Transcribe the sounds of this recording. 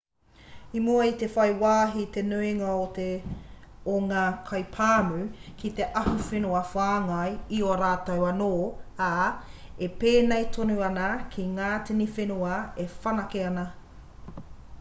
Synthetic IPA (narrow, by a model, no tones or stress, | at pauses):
imuɐit̪efɐjwaːɦit̪enuiŋɐote | oŋaːkʰɐjpʰaːmʉkʰit̪e̞ʔɐhufenuɐfaːŋɐjioɾaːtɐwɐnoːaː | epeːnejt̪ʰonuɐnɐkʰiŋaːtinifenuɐefɐnɐkeɐnɐ